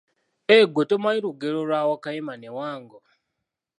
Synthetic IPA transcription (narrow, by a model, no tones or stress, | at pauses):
eɡotomwaiɾuɡeɾolwawakajemanewaːŋɡo